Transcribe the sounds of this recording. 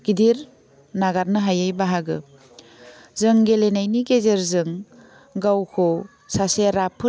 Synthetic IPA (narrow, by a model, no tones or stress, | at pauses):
ɡ̥idiɾ | naɡaɾnɯɦajajbaɦaɡɯ̰ | zɯŋɡelenajniɡezeɾzɯŋ | ɡawkʰo | saseɾapʰɯ